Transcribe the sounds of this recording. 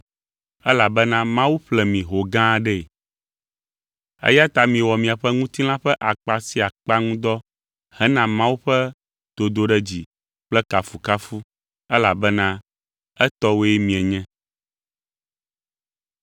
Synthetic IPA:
ɛ˦la˨bɛ˦nã˦mã˦wu˦ɸlɛ˨mĩ˨ɦo˨ɡã˦˨ɖɛ˦˨ | ɛ̰˦ja˦t̪a˨mĩ˨wɔ˨mĩ˨a˨ɸɛ˦ŋũ˦t̪i˦l̃ã˦ɸɛ˦ʔa˨k͡pa˨si˦a˨k͡pa˦ŋũ˦d̪ɔ˦ | hɛ˦nã˦mã˦wu˦ɸɛ˦ | d̪̥o˨d̪o˦ɖɛ˦d͡ʑi˨ | k͡plɛ˦ka˨fu˨ka˦fu˦ | ɛ˦la˨bɛ˦nã˦ | ɛ˦t̪ɔ˦wo˦ɛ˦mĩ˨ɛ˨ɲɛ̃˦

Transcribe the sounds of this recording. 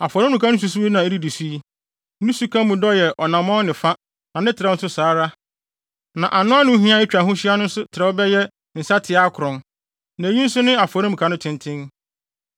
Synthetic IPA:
a˨fɔ˨ɾɪ˦ũ˨kʰã˦nʊ̃˦s̬u˨s̬u˦i˦nã˨e˦di˦di˨su˦i˦ | ũ˦su˦kʰã˦mũ˨dɔ˦jɛ˨ʔɔ˨nã˨mɔ̃˦nɪ̃˨fa˦ | nã˨nɪ̃˦tʰɪ˨ɾɛ˦n̩˦sʊ˦saː˨˦ɾa˦ | nã˨ʔa˨nʊ̃˦a˦nʊ̃˦ɦĩ˦a˦e˦t͡ʃᶣɾa˨ɦʊ̃˦ɕi˦a˦nʊ̃˦n̩˦sʊ˦tʰɪ˨ɾɛ˨˦ɔ˦bɛ˦jɛ˦ | n̩˨sa˦tʰɪ˨a˦kʰʊ˨ɾʊ̃˨n | nã˨ɲĩ˦n̩˦sʊ˦nɪ̃˦a˨fɔ˨ɾɪ˦mũ˨kʰa˦nʊ̃˦tʰɪ̃˦ntʰɪ̃˦n

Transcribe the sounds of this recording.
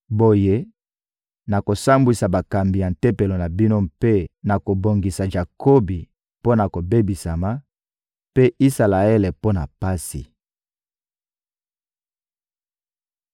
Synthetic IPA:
bo˦je˦ | na˨ko˨sa˦mbwi˨sa˨ba˨ka˨mbi˨ja˨n˨tɛ˦pe˨lo˨na˨bi˦no˦mpe˦na˨ko˨bo˨ŋɡi˨sa˨ʒa˨ko˦bi˨ | po˦na˨ko˨be˦bi˨sa˨ma˦ | pe˦ʔi˦sa˨la˨e˦le˨po˦na̰˨pa˦sḭ˨

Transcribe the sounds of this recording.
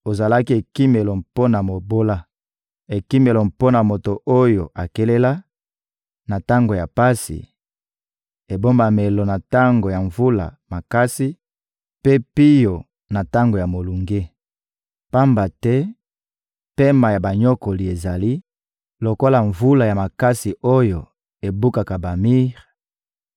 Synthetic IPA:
o˨za˨la˦ki˦e˨ki˦me˨lo˨mpo˦na˨mo˨bo˦la˦ | e˨ki˦me˨lo˨mpo˦na˨mo˨to˨ʔo˦jo˨ʔa˨ke˦le˦la˦ | na˨ta˦ŋɡo˨ja˨pa˦sḭ˨ | e˨bo˦mba˨me˨lo˨na˨ta˦ŋɡo˨ja˨ɱvu˦la̰˨ma˨ka˦si˦ | pe˦pi˦jo˨ | na˨ta˦ŋɡo˨ja˨mo˨lu˨ŋɡe˦ | pa˦mba˨tɛ˦ | pe˦ma˨ja˨ba˨ɲo˦ko˨li˨e˨za˨li˦ | lo˨ko˦la˨ɱvu˦la˨ja˨ma˨ka˦si˨o˦jo˨ | e˨bu˦ka˨ka˨ba˨mi˦ʁ

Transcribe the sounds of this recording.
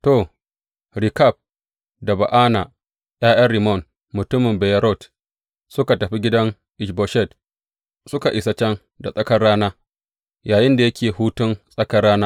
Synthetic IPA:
to˨ | ɾi˨ka˦˨b̚ | da˨ba˨ʔaː˦na˨ | j̰aː˦j̰ɐ˦ri˨mɔ˦˨n | mʊ˨tʊ˦mːɪ˨mbɛ˨ja˦ɾɔ˦˨t | sʊ˦ka˨tɐ˨ɸi˦ɡʲɪ˦dɐ˦ŋ | ʔɪ˨ʃbɔ˨ʃɛ˦˨d | sʊ˦ka˨ʔɪ˨sa˦t͡ʃɛ˦n | da˨sʼɐ˦kɐ˦rːaː˦naː˦ | jaː˨jɪ˦nda˨jɐ˦kʲʰeː˨huː˦tʊ˦nsʼɐ˦kɐ˦rːaː˦naː˦

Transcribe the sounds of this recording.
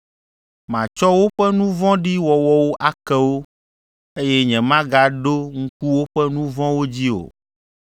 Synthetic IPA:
mã˨t͡ʃɔ˦wo˦ɸɛ˦nũ˦vɔ̃˦ɖi˦wɔ˨wɔ˦wo˦ʔa˦kɛ˦wo˦ | e˦jɛ˦ɲɛ̃˨mã˦ɡa˨ɖo˦ŋ̩˦ku˦wo˦ɸɛ˦nũ˦vɔ̃˦wo˦d͡ʑi˦o̰˨

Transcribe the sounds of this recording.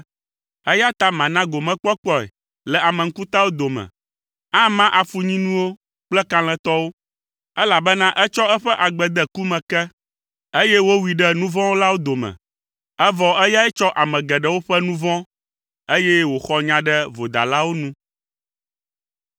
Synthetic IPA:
ɛ˦ja˦t̪a˦mã˨nã˦ɡo˨mɛ̃˦k͡pɔ˦k͡pɔ˦ɛ̰˨ | lɛ˨a˨mɛ̃˨ŋ̩˦ku˦t̪a˦wo˦d̪o˨mɛ̰̃˨ | ã˦mã˦ʔa˨fu˨ɲĩ˦nũ˦wo˦ | k͡plɛ˦kã˦l̃ɛ̃˨t̪ɔ˦wo˦ | ɛ˦la˨bɛ˦nã˦ʔɛ˦t͡ʃɔ˦ɛ˦ɸɛ˦ʔa˨ɡ͡bɛ˨d̪ɛ˦ku˦mɛ̃˨kɛ˦ | e˦jɛ˦wo˦wi˨ɖɛ˦nũ˦vɔ̃˦wo˦la˦wo˦d̪o˨mɛ̰̃˨ | ɛ˦vɔ˨ɛ˦ja˦ɛ˦t͡ʃɔ˦ʔa˨mɛ̃˨ɡɛ˨ɖɛ˦˨wo˦ɸɛ˦nũ˦vɔ̃˦ | e˦jɛ˦wo˨xɔ˨ɲã˨ɖɛ˦vo˨d̪a̰˨la˦wo˦nũ˦

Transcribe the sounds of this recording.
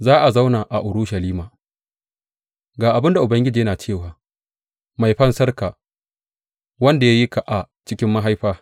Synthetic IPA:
zaː˦ʔa˨za˦wnaː˨ʔa˨ʔʊ˨ɾʊ˦ʃɐ˨liː˦maː˨ | ɡaː˨ʔa˨bɪ˦nda˨ʔʊ˨bɐ˦ŋɡʲɪ˦d͡ʒiː˨jɐ˦naː˨t͡ʃeː˦˨waː˨ | ma˨jɸɐ˦nsɐ˦rka˨ | wɐ˦nda˨ja˦ji˦ka˨ʔa˨ | t͡ʃɪ˦kʲɪ˦mːa˦ɦa˦jɸaː˦

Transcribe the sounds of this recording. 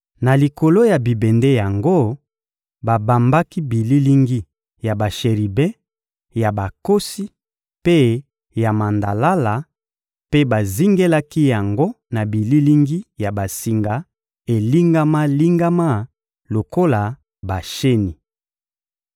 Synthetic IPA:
na˨li˨ko˨lo˦ja˨bi˨bɛ˨nde˦ja˨ŋɡo˦ | ba˨ba˨mba˦ki˦bi˨li˦li˦ŋɡi˦ | ja˨ba˨ʃe˨ʁi˨bɛ̃˦ | ja˨ba˨ko˦si˦ | pe˦ | ja˨ma˨nda˨la˦la˨ | pe˦ba˨zi˦ŋɡe˦la˦ki˦ja˨ŋɡo˦ | na˨bi˨li˦li˦ŋɡi˦ja˨ba˨si˨ŋɡa˨ | e˨li˦ŋɡa˦ma˦li˦ŋɡa˦ma˦˨ | lo˨ko˦la˨ | ba˨ʃe˦ni˨

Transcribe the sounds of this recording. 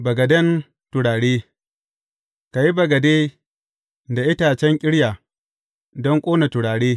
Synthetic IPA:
bɐ˨ɡɐ˨dɛ˦n | tʊ˨ɽaː˨ɽeː˦ | ka˨ji˦bɐ˨ɡɐ˨deː˦ | da˨ʔɪ˦taː˨t͡ʃɛ˦ŋkʲʼɪ˦ɽja˨ | dɔ˦ŋkʷʼoː˦na˨tʊ˨ɽaː˨ɽeː˦

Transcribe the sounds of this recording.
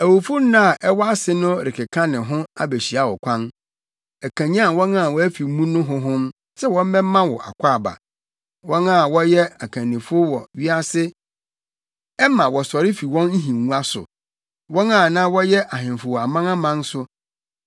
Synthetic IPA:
æ˨wo˨fʊ˦nã˦a˨ʔɛ˦wɔ˦a˦sɪ˦nʊ̃˦ɾɪ˨kʰɪ˨kʰã˦nɪ̃˨ɦʊ̃˦a˦be˨ɕi˨a˦wɔ˨kʷʰã˦n | æ˨kʰã˨ɲã˦˨wɔ̃˦nã˦˨wɔ˦æ˦fi˨˦mũ˦nʊ̃˦ɦʊ̃˦ɦʊ̃˦m | sɛ˦wɔ̃˦m̩˦mɛ̃˦mã˦wɔ˨ʔa̰˨kʷʰa˦˨ba̰˨ | wɔ̃˦nã˦˨wɔ˦jɛ˦a˨kʰã˨nːĩ˨fʊ˦wɔ˨ɥi˦a˦sɪ˦ | ɛ˦mã˨wɔ˨sɔ˨ɾɪ˦fi˨wɔ̃˦n˦n̩˦ɦĩː˨ũ˦a˦sʊ̰˨ | wɔ̃˦nã˦˨nã˦wɔ˦jɛ˦ʔa˨ɦɪ̃˨nfʊ˨wɔ˨a˨mã˦ŋã˦mã˦n˦sʊ˦

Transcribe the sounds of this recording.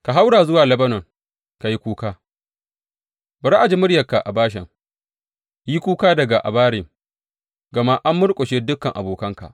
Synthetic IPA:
ka˨ɦa˦wɽaː˨zʊ˦waː˨lɐ˦bɐ˦nɔ˨ŋ | ka˨ji˦kʷuː˦kaː˦ | bɐ˨ɾa˦ʔa˨d͡ʒi˦mʊ˦ɽjɐ˨ka˨ʔa˨baː˦ʃ̬ɛ̰˨ŋ | ji˦kʷuː˦kaː˦dɐ˨ɡa˨ʔa̰˨baː˦ɾɪ˨ŋ | ɡɐ˨ma˦ʔa˦mːʊ˦ɽkʷʼɔ˨ʃeː˦dʊ˦kːɐ˨ŋʔa˨boː˨kɐ˦ŋka̰˨ʔ

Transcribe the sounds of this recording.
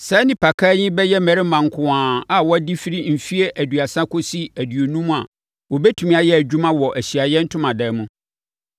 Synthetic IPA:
sɛ˨˦nɪ̃˦pʰa˨kʰa˦ɲɪ̃˦bɛ˦jɛ˦mɛ˨ɾɪ˦mã˨ŋ˨kʰʊ̃˨ãː˨a˨wɔ˦di˦fi˦ɾi˦m̩˨fi˦e˦ʔæ˨dɥa˨sã˦kʰo˦si˦æ˨dɥo˨nũ˦m̃˦a˨ | wɔ˨bɛ˦tʰu˨mĩ˦a˨jɛ˦æ˨d͡ʑᶣu˦mã˦wɔ˨ʔæ˨ɕi˨a˨jɛ˦n̩˦tʰʊ̃˦mã˨dɛ˨˦mũ˦

